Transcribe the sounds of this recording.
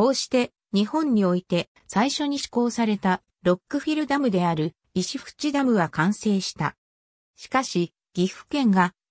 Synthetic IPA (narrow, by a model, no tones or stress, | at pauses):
ko̞ːɕi̥t̪e̞ | ɲ̟ihõ̞ɲ̟ɲːio̞it̪e̞ | saiɕo̞ɲ̟iɕi̥ko̞ːsaɾe̞t̪a | ɾo̞kːɯ̟ɸʲiɾɯ̟d̪amɯ̟d̪e̞aɾɯ̟ | iɕiɸɯ̟̥t͡ɕid̪amɯ̟ɡakãɰ̃se̞ːɕi̥t̪a | ɕi̥kaɕi | ɡ̥ʲiɸɯ̟̥kẽ̞ŋɡa